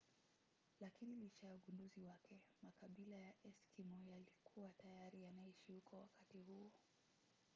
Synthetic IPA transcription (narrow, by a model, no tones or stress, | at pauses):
lakinilit͡ʃajauɠunduziwakʰɛmakaɓilajaʔɛskʰimɔjalikʰuwatajaɾijanaiʃihukʰɔwakatihuɔ